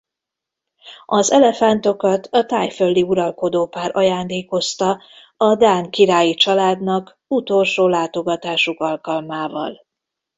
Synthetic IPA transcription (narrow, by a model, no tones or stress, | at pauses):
ʔɒzɛlɛfant̪o̞kɒt̪ʰɒt̪aːjfølːiuɾɒlko̞d̪oːpaːɾʔɒjaːnd̪eːko̞st̪ɒ | ɒd̪aːŋkiɾaːjit͡ʃɒlaːd̪nɒk | ut̪o̞lʃoːlaːt̪o̞ɡɒt̪aːʃukɒlkɒlmaːvɒ̰l